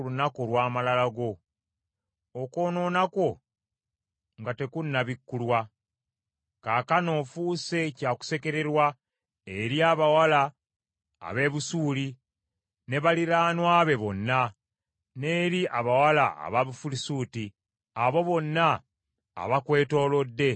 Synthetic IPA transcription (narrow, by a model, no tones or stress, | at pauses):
lunako̞lwaːmalalaɡo̞ | oko̞ːno̞nako̞ | ŋɡate̞kunːaβikːulwa | kaːkano̞ːfuːse̞caːku̥se̞ke̞ɾe̞ɾwa | eɾjiaːβawala̰ː | βe̞ːβusuːli | ne̞βaliɾaːnwaːβe̞βo̞nːa | ne̞ːɾiʔaβawalaa̰βaβufulisuːti | aβo̞βo̞nːa̰ː | βakwe̞ːto̞ːlo̞dːe̞